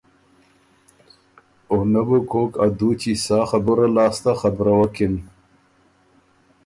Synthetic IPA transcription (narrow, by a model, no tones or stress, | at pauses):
onabukoːkad̪ut͡ɕisɑːxabuɾalɑːst̪axabɾawakin